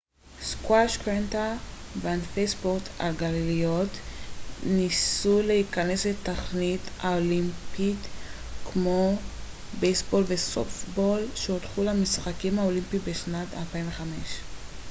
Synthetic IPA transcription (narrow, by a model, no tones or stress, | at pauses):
skwaʃkentavanfejsboʁta̰lɡalilijot | nisuleikane̞sletaχnitaolimpit | kmo̞ | bejsbo̞lveso̰fbolʃeotχulamisχakimhaolimpibeʃnata̰lpainveχameʃ